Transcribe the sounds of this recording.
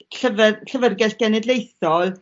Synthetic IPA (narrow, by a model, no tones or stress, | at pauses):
ɬəvɛɬəvərɡɛɬɡ̥ɛnɛdlejθɔlˠ